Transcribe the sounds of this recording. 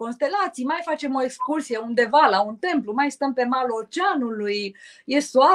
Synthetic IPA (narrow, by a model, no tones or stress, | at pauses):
ko̞nst̪e̞lat̪sijmajfat͡ʃe̞mo̞ekskursijeund̪e̞valaunt̪e̞mplumajst̪əmpe̞malot͡ʃeanuluj | jesoa